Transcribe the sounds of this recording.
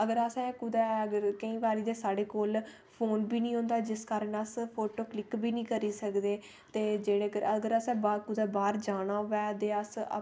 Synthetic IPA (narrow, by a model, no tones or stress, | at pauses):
əɡəɾəsɛ̃ːkʊd̪ɛːəɡəɾkəĩːʋaːɾiːd̪eːsaːɖeːkoːl | pʰoːnbiːnĩːɦõːnd̪aːd͡ʒɪskaːɾəɳəspʰoːʈoːklɪkbiːnĩːkəɾiːsəkd̪eː | t̪eːd͡ʒeːɽeːkəɾəɡəɾəsɛ̃ːbaːkʊd̪ɛːbaːɾd͡ʒaːɽ̃aːʊʋɛːd̪eːəsə̰